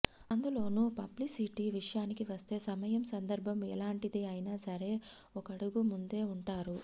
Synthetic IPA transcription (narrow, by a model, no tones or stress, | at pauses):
ɐnd̪ulo̞ːnupɐblisiʈiʋiʂɐjaːnikiʋɐst̪e̞ːsɐmɐjɐmsɐnd̪ɐɾbʱɐmɛlaːɳʈid̪iɐjinaːsɐɾe̞ː | ɔkɐɽuɡumund̪e̞ːuɳʈaːɾu